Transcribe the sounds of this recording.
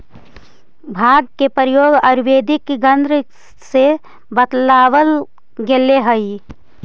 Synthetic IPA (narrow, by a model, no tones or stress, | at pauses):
bʱaːɡ̚kepəɾjoːɡəɾʋeːd̪ɪkɡənd̪ɾ | se | bət̪laːwəl | ɡeleɦəi